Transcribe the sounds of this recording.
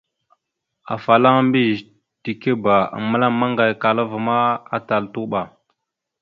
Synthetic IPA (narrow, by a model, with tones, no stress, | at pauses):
a̰˨fa˨la˦ŋ˦mbi˦ʒ | ti˨ke˦ba˨a̰˨mə˦la˦ma˦ŋɡa˨jka˨la˦vma˦a̰˨ta˨ltu˦ɓa˨